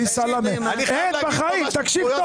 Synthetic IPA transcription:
isalaneebaχaimt̪akʃivt̪o

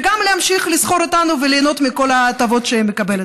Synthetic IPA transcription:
ɡamleamʃiχlisχo̞ɾit̪anuveleːno̞t̪miko̞laːt̪avo̞t̪ʃeemːekabe̞let

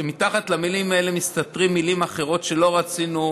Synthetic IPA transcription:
emitaχat̪lamilimae̞le̞mist̪atʁimːilimaχe̞ʁo̞tʃe̞lo̞ʁat͡sinu

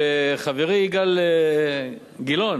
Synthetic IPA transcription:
eχaveʁiɡale | ɡilon

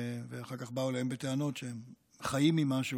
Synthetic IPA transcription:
veaχaʁkaχbaulahembet̪eano̞tʃeɦem | χajimːimaʃu

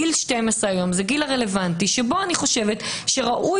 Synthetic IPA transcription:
ilʃtejmasʁeajo̞mzeɡilaʁelevantiʃebo̞aniχo̞ʃe̞vetʃe̞ʁaʔu

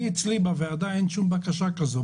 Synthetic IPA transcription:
it͡slibavead̪aenʃumbakaʃakazo

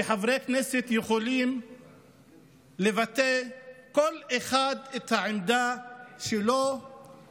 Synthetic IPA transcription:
eħavʁekneset̪jeχolim | levat̪eko̞leχad̪et̪haʕemd̪aʃelo

